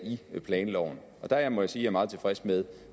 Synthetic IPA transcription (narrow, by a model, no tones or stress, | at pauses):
ipʰlɛːnlɒ̰ʊn̩ | ʔɒ̽d̥æjmɒ̽jasiːjɑ̈æɐmɑ̈ːð̩ˠt͡sʰe̝fʁɛsmeð̞ˠ